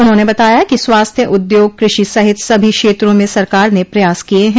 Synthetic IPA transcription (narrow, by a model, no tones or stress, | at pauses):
ʊnɦõnebɐt̪aːjakiswaːst̪ʰjəʔʊd̪joːɡ̚kɾɪʃisɐɦɪt̪sɐbʱikʃeːt̪ɾõmẽsɐɾkaːɾnepɾɐjaːskijeɦɛ̃